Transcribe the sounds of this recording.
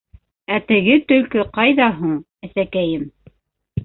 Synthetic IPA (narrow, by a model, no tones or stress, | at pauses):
æt̪ɘ̆ɡɘt̪ɵ̆lkɵqɑjðɑɦuɴ | æθækæjɘm